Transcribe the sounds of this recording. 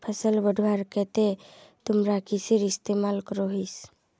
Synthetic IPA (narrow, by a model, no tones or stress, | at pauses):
pʰəsəlbəɖʱwaɾket̪et̪ʊmɾakisiɾist̪emalkəɾoɦis